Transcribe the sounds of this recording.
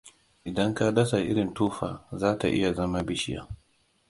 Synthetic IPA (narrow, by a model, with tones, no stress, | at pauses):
ʔɪ˨dɐ˦ŋka˦dɐ˦sa˨ʔɪ̰˦ɽɪ˨ntuː˦ɸaː˨zaː˦ta̰˨ʔɪ̰˦ja˨zɐ˦ma˦bɪ˦ʃɪ˦ja̰˦˨